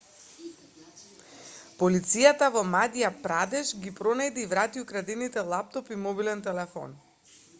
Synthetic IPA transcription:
pɔlit̪sijat̪avɔmad̪ijapɾad̪ɛʒɡipɾɔnajd̪iːvɾat̪iukɾad̪init̪ɛlˠap̚t̪ɔpimɔbilɛnt̪ɛlɛfɔ̰n

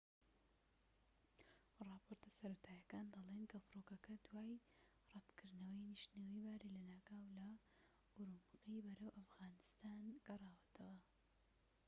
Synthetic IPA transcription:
rˤɑːpʰoːɾt̪ɨsɐɾot̪ʰaːjɐkaːnd̪ɑlˠenkʰɐfɨɾokɐkɐd̪waːj | rˤɑd̪kʰɨɾd̪nɐwɐjniʃnewibaːɾilɐnaːɡaːwlɐ | uɾumɨqibɐɾɐwʔɐfɣaːnɨst̪aːnɡ̥ɐrˤɑːwɐt̪ʰɐwɐ

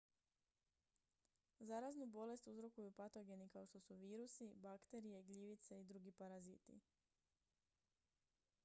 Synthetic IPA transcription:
zaɾaznubo̞le̞st̪uzɾo̞kujupat̪o̞ɡe̞nikao̞ʃt̪o̞suʋiːɾusibakt̪e̞ɾije̞ɡʎiʋit̪seid̪ɾuɡipaɾazit̪ḭ

